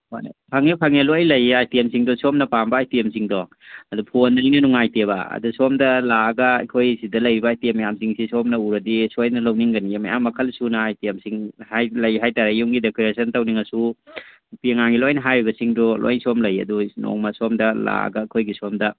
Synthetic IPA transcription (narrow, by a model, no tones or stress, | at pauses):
hojnpʰɐŋepʰɐŋelojlɐjajtiɐmsiŋdɔsɔmnɐpambɐːjtiɐmsiŋdɔ | ɐdupʰondɐninɐnuŋajtebɐɐ̰dusɔmdɐlaɡɐ̰ːjkʰojsidɐlɐjɾibaːjtiemɐjamsiŋsisomnɐuɾɐdisojnɐlɐwniŋɡɐnijamːɐja̰mːɐkʰɐlsunɐːjtiɐmsiŋhajlɐjɦajtaɾejuŋɡidekeɾesɐntɐwniŋɐsu | pieŋaŋɡilojnɐɦajɾibɐsiŋdɔlʔo̰jnsomlɐjɐ̰duno̰ŋmɐsɔmdɐla̰ɡɐɐjkʰojɡisomdɐ